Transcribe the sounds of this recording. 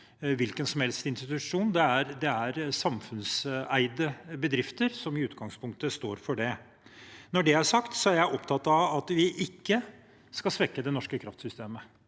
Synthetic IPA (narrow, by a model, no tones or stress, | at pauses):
ʋɪlkənsɔmhɛlst̪ɪnst̪ɪt̪ʉʂuːnd̪ɛæɾd̪ɛæɾsɑmfʉnsæɪd̪əbəd̪ɾɪft̪əɾsɔmɪʉːt̪ɡɑŋspʰʊŋk̚t̪əst̪oːɾfɔɖɛ | nɔɖɛæʂɑkt̪sɔæɾjæɪʔɔpt̪ʰɑt̪ɑʋɑt̪ʋɪʔɪkːə | skɑsʋɛkːəd̪ɛnɔʂkəkʰɾɑft̪sʏst̪eːmə